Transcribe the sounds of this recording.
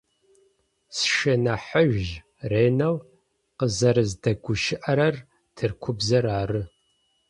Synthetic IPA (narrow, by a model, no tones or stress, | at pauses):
sʃɐnaħəʒʒ | reːnɐw | qəzɐɾɨzdɐɡʷʊʃɪʔɐɾɐr | tʰɨrkʷʰʊbzɐɾaːrɨ